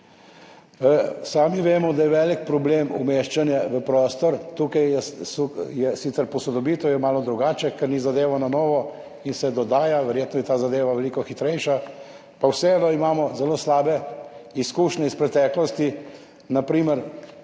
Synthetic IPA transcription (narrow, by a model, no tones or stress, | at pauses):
saːmiʋeːmɔd̪ajɛʋɛlikpɾɔbleːmṵmeːʃt͡ʃanjaʋəpɾɔːst̪ɔɾt̪uːkajɛsjɛsit̪sɛɾpɔsɔd̪ɔbiːt̪ɔwjɛmaːlɔd̪ɾuɡaːt͡ʃɛkɛɾnizad̪eːʋɔnanɔːʋɔ | insɛd̪ɔd̪aːjaʋɛɾjeːt̪nɔjɛt̪aːzad̪eːʋaʋɛliːkɔxit̪ɾɛjʃa | pawsɛɛnɔimaːmɔzɛloːslaːbɛiskuːʃnʲɛispɾɛt̪ɛːklɔst̪i | napɾiːməɾ